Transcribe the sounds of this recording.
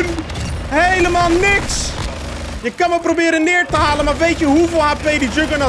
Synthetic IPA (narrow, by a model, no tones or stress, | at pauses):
nhejləmaːlˠnɪks | jəkɑnməprobɪːɾənːɪːɹtəɦaːlənmaɹʋejtjəɦuvɪːlˠaːpejdid͡ʒøɡəna